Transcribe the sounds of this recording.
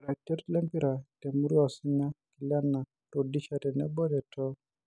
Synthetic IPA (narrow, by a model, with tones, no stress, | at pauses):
ɾa˨tɛ˦ɾlɛ˦mpi˦ɾa˨te˨mu˦ɾi˦a˨si˦ɲa˦ki˨la˦nːa˨ | todi˦t͡ʃa˨tɛ˨nɛ̰˦bɔ˦dɛ˨tʰɔ˦